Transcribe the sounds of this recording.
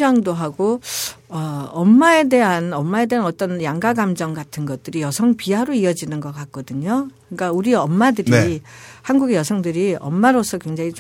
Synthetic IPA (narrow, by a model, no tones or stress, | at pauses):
d͡ʑʌŋdoɦaɡoʌʌmːae̞de̞ɦanʌmːae̞de̞ɦanʌt͈ʌnjaŋɡaɡamd͡ʑʌŋɡatʰɯnɡʌt̚t͈ɯɾijʌsʰʌŋpiaɾoiʌd͡ʑinɯnɡʌk͈ak̚k͈ʌdɯɲokɯik͈auɾiʌmːadɯɾihanɡuɡejʌsʰʌŋdɯɾiʌmːaɾosʰʌkweŋd͡ʑaŋi